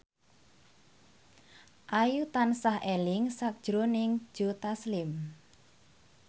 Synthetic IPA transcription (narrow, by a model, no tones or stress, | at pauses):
ʔajut̪ansahʔɛlɪŋsak̚d̥ʒ̥ɾonɪŋ̥ʒ̥o̤t̪aslɪm